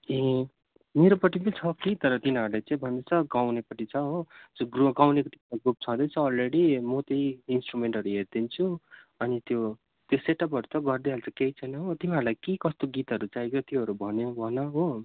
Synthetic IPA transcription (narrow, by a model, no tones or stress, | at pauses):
ẽ | meɾopʌʈːipʌt͡sʰʌkit̪ʌɾʌt̪inʌɾlajt͡saĩbʱʌnd̪ʌt͡sʰʌɡawnepʌʈit͡sʰʌɦod͡zʌɡruɡawnekot̪imlaɡrup̚t͡sʰʌd̪ʌjt͡sʰʌːlreɽimot̪ejinsʈrumeɳʈʌɾuɦerd̪int͡sʰuʌnit̪jo | t̪joseʈʌpʌɾut͡sʰʌɡʌrd̪iɦalt͡sakeit͡sʰʌjnʌɦot̪imiɦʌɾulajkikʌst̪oɡit̪ɦʌɾut͡sajkjot̪joɦʌɾubʱʌnjobʱʌnʌɦo